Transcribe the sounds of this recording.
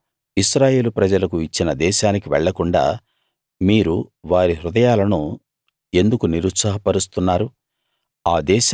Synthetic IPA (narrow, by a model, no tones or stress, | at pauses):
iʃɾaːje̞ːlupɾɐd͡ʒɐlɐkuit͡ʃːinɐd̪ɛːʃaːnikiʋɛɭːɐkuɳɖa̰ː | miːɾuʋaːɾiɦɾud̪ɐjaːlɐnu | e̞nd̪ukuniɾut̪sɐɦɐpɐɾust̪unːaːɾu | aːd̪ɛːʃ